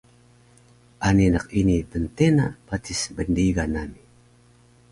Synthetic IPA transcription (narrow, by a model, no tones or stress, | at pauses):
ʔaninəqinitəntena̰patisbəndiɡanani